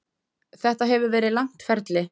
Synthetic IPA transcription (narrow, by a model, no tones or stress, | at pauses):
θɛht̪aɦɛvʏɾvɛːɾɪðlaŋ̥t̪fɛɾt̪lɪ